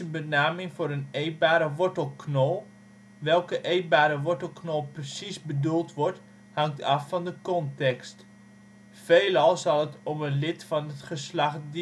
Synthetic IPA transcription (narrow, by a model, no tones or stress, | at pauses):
ənbənaːmɪŋvʊːɾənejt̚baːɾəʋɔɹtəlˠknolˠ | ʋɛlˠkəʔejt̚baːɾəʋɔɹtəl̩ˠknolˠprəsisbədulˠtʋɔɹt | hɑŋtʰɑfːɑndəkɔntɛkst | fejlɑlˠzɑlˠətɔmənlɪtfɑnətχəslɑχd